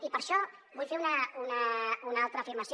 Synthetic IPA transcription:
ipəɾʃɔ | βujfeunəunəunalˠt̪ɾəːfiɾmɐsi

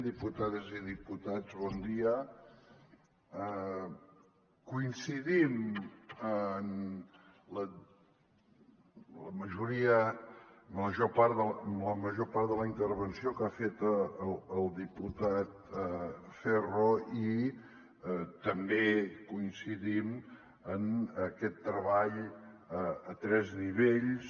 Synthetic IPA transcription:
d̪iput̪aðəziðiput̪ad͡zβɔnd̪iə | ə | kuinsiðim | ən | lə | ləməʒuɾiə | məʒopaɾðəlləməʒopaɾt̪ðələint̪əɾβənsiokafet̪əələlˠd̪iput̪at̪̚ | fɛroi | t̪əmbekuinsiðim | ənəkɛt̪ːɾəβaʎ | ət̪ɾɛzniβ̞eʎs

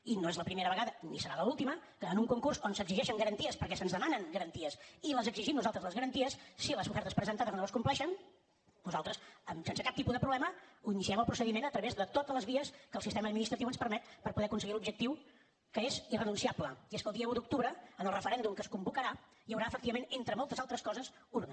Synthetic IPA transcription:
inoezləpɾimeɾəβəɣaðənisəɾaləulˠt̪iməkəənuŋkuŋkursonsəɡziʒɛʃəŋɡəɾənt̪iəspəɾkɛsənzðəmanəŋɡəɾənt̪iəsiləzəɡziʒimnuzalˠt̪ɾəzləzɣəɾənt̪iəsːiləzufɛɾt̪əspɾəzənt̪aðəznoəskumplɛʃən | nuzalˠt̪ɾəsəmsensəkap̚t̪ipuðəpɾuβlɛməuinisiɛməlˠpɾusəðimenət̪ɾəβezðət̪ot̪ələzβiəskəlˠsist̪ɛməd̪̚minist̪ɾət̪iuwənspəɾmɛt̪pəɾpuðɛəkunsəɣilubʒək̚t̪iw | kəezirənunsiabləieskəlˠd̪iəðəud̪uk̚t̪uβɾəənəlrəfəɾɛnd̪umkəskumbukəɾa | jəwɾaəfəkt̪iβəmenent̪ɾəmɔlˠt̪əzalˠt̪ɾəskɔzəs | uɾɣ

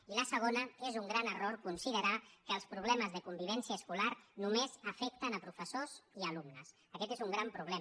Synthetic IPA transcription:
iləsəɣ̞onəezuŋɡɾanəroɾkunsiðəɾakəːlˠspɾuβ̞lɛməzðəkumbiβ̞ɛnsiəːskulaɾnumezəfɛk̚t̪ənəpɾufəsoziəlumnəs | əkɛt̪ezuŋɡɾampɾuβ̞lɛ

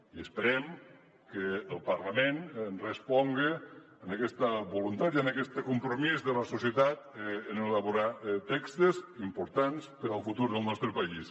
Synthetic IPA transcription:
iəspəɾɛm | keːlˠpɐɾlamennrespɔŋɡe | ənakɛst̪əbulunt̪at̪ianakɛst̪əkumpɾomizðəlasusjət̪at̪ːnelaβuɾat̪ɛkst̪ezimpuɾt̪anspəɾəlˠfut̪uɾðəlˠnɔst̪ɾəpais

